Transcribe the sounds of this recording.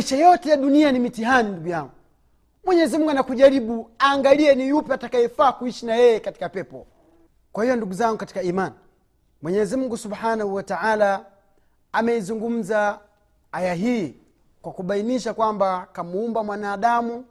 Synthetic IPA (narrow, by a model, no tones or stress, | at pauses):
iʃajɔtɛjaɗunianimitiɦaninduɡujaŋɡu | mwɛɲɛzim̩ŋɡunakuʄaɾiɓuaːŋɡaliɛnijupɛatakaifaːkuiʃinajɛjɛkati̥kapɛpɔ | kwahijɔnduɡuzaŋɡukati̥kaiːman | mwɛɲɛzim̩ŋɡusubħanahuwataʕalaː | mɛizuŋɡum̩za | ajaɦiː | kwakuɓainiʃakwambakamuumbamwanaːɗamu